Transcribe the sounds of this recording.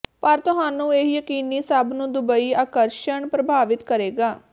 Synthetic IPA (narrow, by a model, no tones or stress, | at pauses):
pəɾt̪ʊɦãːnũːeːɦjəkiːniːsəbnũːd̪ʊbəiːaːkəɾʃəɳpɾəbʱaːʋɪt̪kəɾeːɡaː